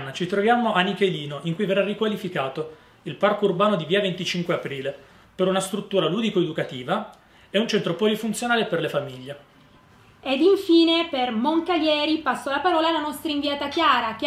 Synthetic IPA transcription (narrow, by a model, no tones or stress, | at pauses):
nːat͡ʃit̪ɾovjaːmoʔanːikeliːnoʔiŋkujverːarikwalifikaːt̪o | ilparkourbaːnod̪iviːavent̪it͡ʃiŋkweapɾiːle | peɾunast̪ɾut̪ːuːɾaluːd̪ikoed̪ukat̪iːva | ɛunt͡ʃɛnt̪ɾopɔlifunt̪sjonaːleperlefamiʎːe | ed̪iɱfiːnepermoŋkaljɛːɾipasːolapaɾɔːlaːlanɔst̪ɾaiɱviaːt̪akjaːɾak̟